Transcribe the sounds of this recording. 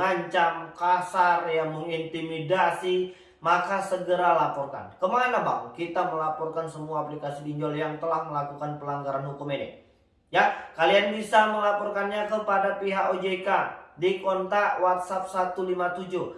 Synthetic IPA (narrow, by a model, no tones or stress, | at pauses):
aɲt͡ʃamkasarjaməŋint̪imidasi | makasəɡəɾalapɔrka̰nkəmananlahbakkit̪aməlapɔrkansəmuaːplikasidiɲd͡ʒɔljaŋt̪əlahməlakukanpəlaŋɡaɾanhukumenɪ̰ | jakalianbisaməlapɔrkanɲakəpadapiɦaʔod͡ʒekadikɔnt̪awat̪̚sap̚sat̪ulimat̪ud͡ʒuh